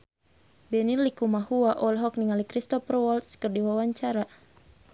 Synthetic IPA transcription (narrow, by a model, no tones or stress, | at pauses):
bɛnilikumahuaʔɔlɦɔk̚niŋalikɾist̪ɔfrwɔlt̪skərdiwawaɲt͡ʃaɾa